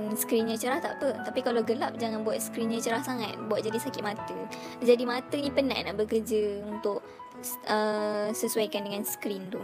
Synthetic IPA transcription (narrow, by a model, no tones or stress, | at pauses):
nskɾinɲat͡ʃəɾaht̪aʔpət̪apikalaɡəlap̚d͡ʒaŋanbuwat̪̚skɾinɲãt͡ʃəɾahsaŋat̪̚buat̪̚d͡ʒadisakɪʔ̪mat̪əd͡ʒadimat̪ənĩpəna̰ʔnaʔbəkəd͡ʒəunt̪ʊʔ̚ | ʔəsəsuajkandəŋanskɾindʊ